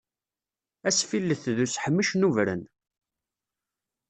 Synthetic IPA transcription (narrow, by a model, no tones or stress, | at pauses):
æsfilːəθðusħəmːəʃnuvɾə̰n